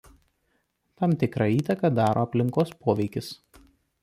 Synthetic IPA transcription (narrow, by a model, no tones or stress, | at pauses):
t̪ɐmt̪ʲɪkɾɑiːt̪ɐkɐd̪ɑːɾʔoːɐpʲlʲɪŋkoːspoːʋʲɛɪkʲɪs